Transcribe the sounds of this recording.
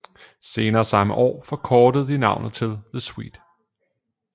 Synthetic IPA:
se̝ːnɐːsɑ̈məʔɒ̰ːfɒ̽kʰɒːd̥əð̞̩ˠd̥inɑ̈ʊ̰nð̩ˠt͡sʰe̝lðəswḭːd̥

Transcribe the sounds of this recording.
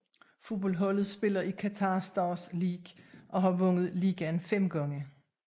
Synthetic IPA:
fub̥ɒ̽lɦɒ̽l̰ð̞̩ˠsb̥e̝lɐʔikʰæt͡sʰɑ̈ːsd̥ɑːsliːɡ̥ʔɒ̽ɦɑ̈ʋɔ̽ŋ̰ð̞̩ˠliːɡ̥ænfem̰ɡ̥ɒ̽ŋə

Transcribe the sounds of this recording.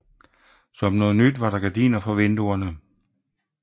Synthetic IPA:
sɒ̽mnɔ̽ːð̞̩ˠnyd̥ʋɑ̈ɾɑ̈ɡ̥æd̥ḭːnɐfɒʋend̥uɐnə

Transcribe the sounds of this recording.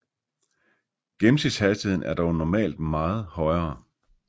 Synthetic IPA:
ɡ̥em̩sid̥shæsd̥iheð̰ˠn̩ʔæɐd̥ɒʊnɒmɛ̰ːld̥mɑ̈ːð̞̩ˠhɒ̽ɪɐː

